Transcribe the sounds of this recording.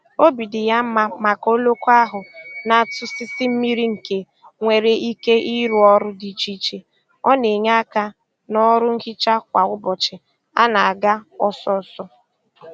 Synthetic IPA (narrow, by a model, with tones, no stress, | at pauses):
o˦bi˨dɪ˨ja˦m̩˦ma˦ma˨ko˦lo˦ko˦a˦ɦʊ˨na˨tʊ˦sɪ˦sɪ˦m̩˦mi˦ɾi˦ŋ̩˨ke˨ | ŋʷe˨ɾe˨i˦ke˦ʔi˦ɾu˨ɔ˦ɾʊ˦di˨t͡ʃi˦t͡ʃe˨ | ɔ˦ne˨ɲa˦a˦ka˦ | nɔ˦ɾʊ˦ŋ̩˦kɪ˦t͡ʃa˦kʷa˨ʊ˦bɔ˨t͡ʃɪ˨ | a̰˦na˨a˨ɡa˦ɔ˦sɔ˦˨sɔ˦